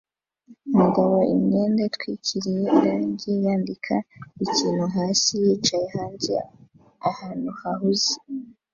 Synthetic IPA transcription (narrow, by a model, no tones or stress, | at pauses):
umuɡaβoʔḭmɲeːndetwicʰiɾije̞ɾaːɲɟejaːndikʰaiciːnhuɦaːsijiːt͡ʃajehaːɲɟi | ahaːn̥uhahuzi̥